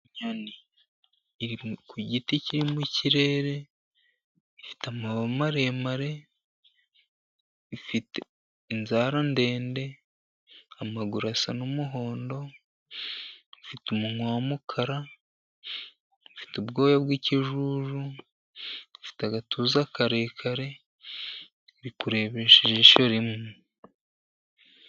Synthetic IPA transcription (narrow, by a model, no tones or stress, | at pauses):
ɲaniː | ɾikuɟiticiɾimuciɾe̞ɾe̞ | ifi̥tamaβamaɾe̞maɾe̞ | ifite | inzaɾande̞ːnde̞ | amaɡuɾasanumuɦo̞ːndo̞ | βifitumuŋwaːmukʰaɾa | βifi̥tubɡo̞ːjabwiːciʒuʒu | βifi̥taɡatʰuːzakaɾe̞ːkʰaɾe̞ | ɾikuɾe̞βeʃeʒeʃo̞ɾimu